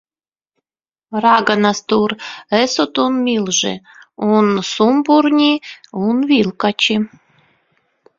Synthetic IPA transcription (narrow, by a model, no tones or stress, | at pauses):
rɑɡɑnɑst̪uresot̪unmʲilˠʒḛ | unsumburnʲiunvʲilkɑt͡ɕi